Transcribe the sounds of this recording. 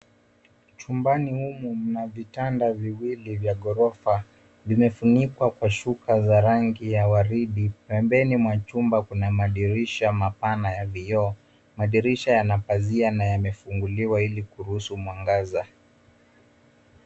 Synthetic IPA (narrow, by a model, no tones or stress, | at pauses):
t͡ʃumbanihumum̩navitandaviwilivjaɠɔɾɔfa | vimɛfunikwakwaʃukazaɾaŋɡijawaɾiɗipɛmbɛnimwat͡ʃumbakunamaɗiɾiʃamapanajavijɔ | maɗiɾiʃajanapazianajamɛfuŋɡuliwailikuɾuhusumwaŋɡaza